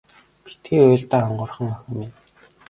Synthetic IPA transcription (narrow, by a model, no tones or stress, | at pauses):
pi̥t̪iːʊːɮt̪aːɔɴɢʊ̆rχə̆ŋœxʲə̆men